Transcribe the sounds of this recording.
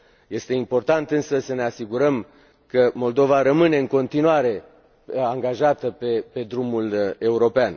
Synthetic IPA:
je̞st̪e̞impo̞rt̪ant̪ɨnsəsəne̞asiɡuɾəm | kəmo̞ld̪o̞vaɾəmɨne̞ɨŋko̞nt̪inuaɾe̞ | aŋɡaʒat̪əpepe̞d̪ɾumule̞uɾo̞pean

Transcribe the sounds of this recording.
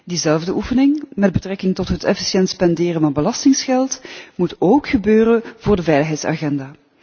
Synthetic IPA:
dizɛlˠvdəʔufənɪŋmɛd̚bətrɛkɪŋtɔtɦətɛfi̥sjɛntspɛndɪːrənvɑnbəlɑstɪŋsxɛlˠtmutoːkxəbøːɾənvʊːrdəvɛjləxɦɛjtsa̰ɣɛndaː

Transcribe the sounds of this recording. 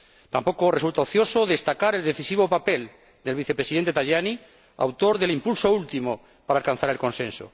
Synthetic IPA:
t̪ampo̞koresult̪aoθjo̞soðe̞st̪akaɾeld̪eθisiβopape̞l | d̪e̞lβ̞iθe̞pɾe̞siðent̪et̪aʝani | a̰wt̪o̞ɾðelimpulsoult̪imo | paɾaːlkanθaɾelkõ̞nsẽ̞nso̰

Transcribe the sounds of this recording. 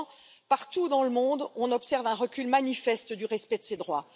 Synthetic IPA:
paʁt̪ud̪ɑ̃ləmɔ̃d̪ɔ̃nɔpsɛʁvɛ̃ʁəkʲylmanifɛst̪d̪yʁɛspɛd̪əsed̪ʁwa̰

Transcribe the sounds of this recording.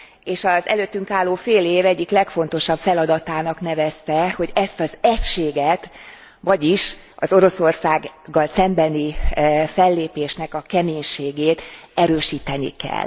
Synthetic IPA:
eːʃɒzɛ̰løːt̪ːyŋkaːlːoːfeːleːvɛɟːiklɛkfo̞n̪t̪o̞ʃɒbfɛlɒd̪ɒt̪aːnɒkn̪ɛvɛst̪ɛho̞ɟɛst̪ɒzɛcʃeːɡɛt̪ | vɒɟiʃ | ʔɒzo̞ɾo̞so̞rsaːɡɡːɒlsɛmbɛnifɛlːeːpeːʃnɛkɒkɛmeːɲʃeːɡeːt̪ɛɾøːʃiːt̪ɛnḭkɛ̰l

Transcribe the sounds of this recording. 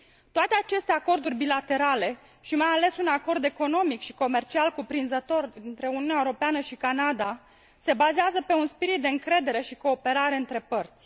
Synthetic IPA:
t̪oat̪e̞at͡ʃe̞st̪e̞ako̞rd̪urʲbilat̪e̞ɾale̞ | ʃimajale̞sunako̞rd̪e̞ko̞no̞mikʃi̥ko̞me̞rt͡ʃialkupɾinzət̪o̞rint̪ɾe̞uniunaeuɾo̞peanəʃikanad̪a | se̞bazeazəpe̞unspiɾit̪̚d̪e̞ɨŋkɾe̞d̪e̞ɾe̞ʃiko̞ːpe̞ɾaɾe̞ɨnt̪ɾe̞pərt̪sʲ

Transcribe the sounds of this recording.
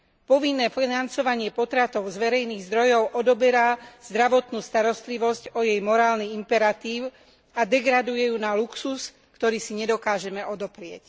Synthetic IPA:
pɔʋinːɛːfinant͡sɔʋaɲɪɛpɔt̪ɾat̪ɔʊzʋɛɾɛjniːɣzd̪ɾɔjɔʊʔɔd̪ɔbɛɾaz̥d̪ɾaʋɔt̪nuːst̪aɾɔst̪liʋɔscɔjɛjmɔɾaːlniimpɛɾat̪iːʊ | ad̪ɛɡɾad̪ujɛjunaluksus | kt̪ɔɾiːsiɲɛd̪ɔkaːʒɛmɛɔd̪ɔpɾɪɛc

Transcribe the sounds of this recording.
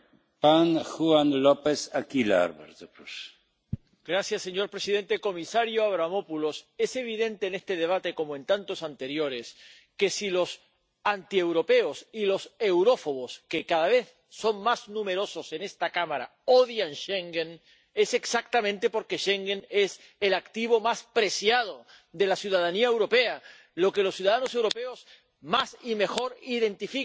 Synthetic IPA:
paŋxuanlopesakila̰ɾβḛɾt̪pɾus | ɡ̥ɾasjasːe̞ɲo̞ɾpɾesiðẽ̞nt̪eko̞misaɾjoaβɾamo̞pulo̞se̞se̞β̞iðẽ̞nt̪e̞ːne̞st̪e̞ð̞e̞β̞at̪e̞ko̞moẽ̞nt̪ant̪o̞sant̪eɾjo̞ɾe̞s | ke̞silo̞s | ant̪ie̞wɾo̞pe̞osilo̞se̞wɾo̞fo̞βoskekaðaβ̞e̞θ | so̞ŋmaznũme̞ɾo̞so̞se̞ne̞st̪akamaɾa̰ | oðjanʃeŋɡen | e̞se̞ksak̚t̪amẽnt̪e̞po̞ɾkeʃeŋɡene̞s | elakt̪iβo̞maspɾe̞sjað̞o̞ | ðe̞lasjuðaðaniaewɾo̞pea | lo̞ke̞lo̞sːjuðaðano̞se̞wɾo̞peos | masime̞xo̞ɾiðe̞nt̪ifi

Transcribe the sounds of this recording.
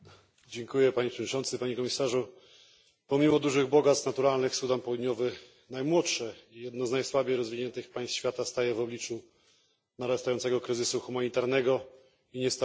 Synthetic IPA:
d͡ʑɛŋkujɛpaɲepʂɛvɔdɲit͡ʂɔnt̪sɘpaɲɛkɔmʲisaʐu | pɔmʲimɔd̪uʐɘɣbɔɡat̪snat̪uɾalnɘxsud̪anpɔwud̪ɲɔvɘ | najmwɔtʂɛijɛd̪̚nɔznajswabʲejɾɔzvʲiɲɛnt̪ɘxpaj̃st̪ɕfʲjat̪ast̪ajɛvɔblʲit͡ʂu | naɾɛst̪ajɔnt̪sɛɡɔkɾɘzɘsuxumaɲit̪aɾnɛɡɔ | iɲɛst̪

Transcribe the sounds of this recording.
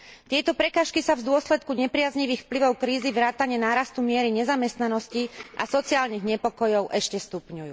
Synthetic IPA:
t̪ɪɛt̪ɔpɾɛkaːʃkisavd̪ʊɔslɛt̪̚kuɲɛpɾɪazɲiʋiːxfpliʋɔʊkɾiːzivɾaːt̪aɲɛnaːɾast̪umɪɛɾiɲɛzamɛst̪nanɔsciʔa̰sɔt͡siaːlniɣɲɛpɔkɔjɔʊʔɛʃcɛst̪upɲujuː

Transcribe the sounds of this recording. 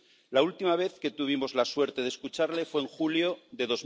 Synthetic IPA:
lault̪imaβ̞e̞θke̞t̪uβ̞imo̞zlaswe̞ɾt̪e̞ð̞eskut͡ʃaɾle̞fwe̞eːŋxuljo̞ðe̞ðo̞z

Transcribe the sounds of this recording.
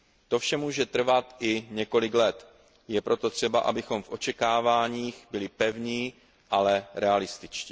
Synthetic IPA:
t̪o̞fʃɛmuːʒɛt̪r̩vat̪ʔɪɲɛko̞lɪklɛt̪ | jɛpɾʔo̞t̪ot̪r̝̥ɛbaʔa̰bɪxo̞mfʔo̞t͡ʃɛkaːvaːɲiːxbɪlɪpɛvɲiː | ʔalɛɾɛalɪst̪ɪt͡ʃciː

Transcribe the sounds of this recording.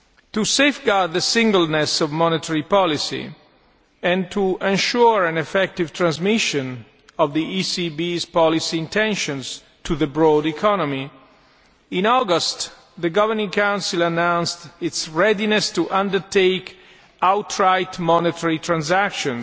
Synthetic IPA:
tusefɡaɹd̪̚ðəsɪ̃ŋɡəlnɛsɔvmɔnɪt̪ʰəɹipɔlisḭ | ɛ̃nt̪ʰuʔɛ̃nʃuɹæ̃nɛfɛk̚tivt̪ʰɹãnzmɪʃɔ̃n | ɔvðiʔisibizpɔlisĩːnt̪ɛ̃nʃɔ̃nz | tʰuðəbɹɔːdikʰɔnɔmi | ĩnɔɡɔst̪ | ðəɡʌvəɹnɪ̃ŋkãw̃nsilanãw̃nstɪtsɹɛdinɛstuʔãndəɹt̪ʰeɪk | awtʰɹaɪt̪mɔnɪtʰəɹit̪ʰɹãnzækʃɔ̃n

